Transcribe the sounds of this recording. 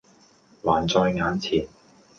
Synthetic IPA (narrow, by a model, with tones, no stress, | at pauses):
waː˨˩nt͡sɔː˧jŋaː˨˥nt͡sʰiː˨˩n